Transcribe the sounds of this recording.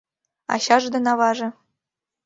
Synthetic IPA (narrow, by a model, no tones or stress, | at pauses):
ɑ̰ɕɑʐd̪ɤ̆nɑβɑʐɤ̆